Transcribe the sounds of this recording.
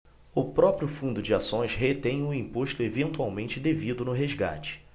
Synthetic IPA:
ʊpɾɔpɾjʊfũnd̪ʊd͡ʒɪasõj̃sɦet̪ẽj̃ʊĩpoʃt̪ʊevẽnt̪uawmẽnt͡ʃɪd̪evid̪ʊnʊɦezɡa̰t͡ʃɪ̥

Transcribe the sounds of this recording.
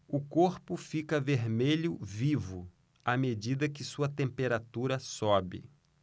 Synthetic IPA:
ʊkoɾpʊfikɐveɾmeʎʊvivʊ | amed͡ʒid̪ɐkɪsuɐt̪ẽmpeɾat̪uɾɐsɔbɪ̰

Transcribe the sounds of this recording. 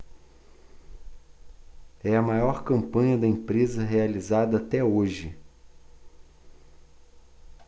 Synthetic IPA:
ɛɐmajɔɾkɐ̃mpɐ̃ɲɐd̪ɐẽpɾezɐɦealizad̪ɐːt̪ɛoʒɪ

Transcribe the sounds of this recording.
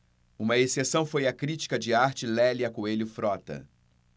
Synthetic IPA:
ũmɐesesɐ̃w̃fojɐkɾit͡ʃi̥kɐd͡ʒɪaɾt͡ʃɪlɛlɪɐkoelʊfɾɔt̪ɐ̰

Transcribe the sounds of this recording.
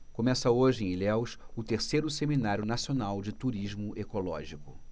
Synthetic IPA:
komɛsɐoʒɪẽlɛwʃʊt̪eɾsejɾʊseminaɾjʊnasionawd͡ʒɪt̪uɾiʒmʊʔekolɔ̰ʒikʊ

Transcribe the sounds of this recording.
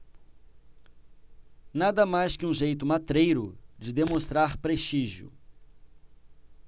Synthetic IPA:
nad̪ɐmajskɪũʒejt̪ʊmat̪ɾejɾʊd͡ʒɪd̪emõst̪ɾaɾpɾest͡ʃiʒiʊ̰

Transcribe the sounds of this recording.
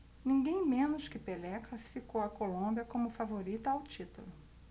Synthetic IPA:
nĩŋɡẽj̃mẽnʊʃskɪpelɛklasi̥fikowɐkolõmbiɐkõmʊfavoɾit̪ɐawt͡ʃit̪ṵlʊ

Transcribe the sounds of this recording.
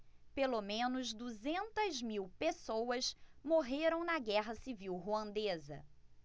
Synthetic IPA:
pelomẽnʊzd̪uzẽnt̪ɐzmiwpesowɐsmoɦeɾɐ̃w̃nɐɡɛɦɐsiviwɦuɐ̃nd̪ezɐ̰

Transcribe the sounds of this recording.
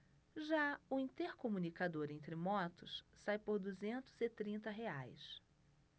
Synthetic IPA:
ʒaʊĩnt̪eɾkomũnikad̪oɾẽnt̪ɾɪmɔt̪ʊssajpoɾd̪uzẽnt̪ʊzɪt̪ɾĩnt̪ɐɦeajs

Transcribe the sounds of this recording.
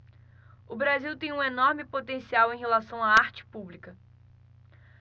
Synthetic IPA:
ʊbɾaziwt̪ẽj̃ũenoɾmɪpot̪ẽsiawẽj̃ɦelasɐ̃w̃aaɾt͡ʃɪ̥publikɐ

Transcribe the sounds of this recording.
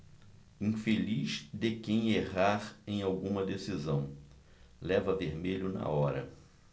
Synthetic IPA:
ĩfeliʃd̪ɪkẽj̃eɦaɾẽj̃awɡũmɐd̪esizɐ̃w̃ | lɛvɐveɾmeʎʊnɐ̰ɔɾɐ̰

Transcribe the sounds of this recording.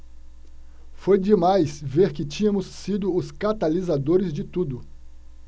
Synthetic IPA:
fojd͡ʒɪmajsveɾkɪt͡ʃĩɲɐ̃mʊsːid̪ʊʊskat̪alizad̪oɾɪzd͡ʒɪt̪ud̪ʊ

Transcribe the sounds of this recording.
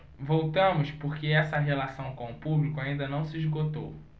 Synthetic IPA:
vowt̪ɐ̃mʊspoɾkeɛsɐɦelasɐ̃w̃kõʊpublikʊaĩnd̪ɐnɐ̃w̃siizɡot̪o̰w

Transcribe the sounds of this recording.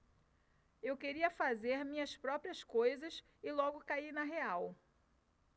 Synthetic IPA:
ewkeɾiɐfazeɾmĩɲɐspɾɔpɾiɐskojzɐs | ɪlɔɡʊkainɐɦeaw

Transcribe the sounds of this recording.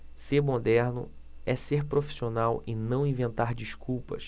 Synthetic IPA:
seɾmod̪ɛɾnʊ̰ɛseɾpɾofi̥sionawɪnɐ̃w̃ĩvẽnt̪aɾd͡ʒiʃkuwpɐ̰ʃ

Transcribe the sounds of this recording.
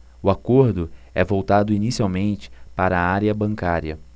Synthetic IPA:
ʊakoɾd̪ʊɛvowt̪ad̪ʊinisiawmẽnt͡ʃɪ̥paɾɐːaɾjɐbɐ̃ŋkaɾjɐ

